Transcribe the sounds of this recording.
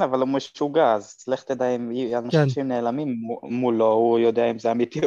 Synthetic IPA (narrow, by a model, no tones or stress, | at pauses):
navalumeʃt͡ʃuɡaazt͡sleχt̪ed̪ajimianaʃʃimneːlamimːulo̞hujo̞d̪eaimzeamit̪i